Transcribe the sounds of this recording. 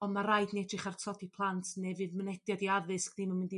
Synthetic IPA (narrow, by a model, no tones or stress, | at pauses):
ɔnmaraɨdnɛdrɨχartʰɔdipʰlˠantʰnɛvɨðmənɛdjadiaðɨskniːmanmɪndi